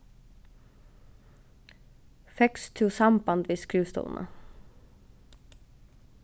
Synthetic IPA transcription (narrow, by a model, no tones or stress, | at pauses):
fɛkst̪ʰʉːsɑmbɑnd̪ʋiːskɾʉːst̪ṵːln̩ʔə̰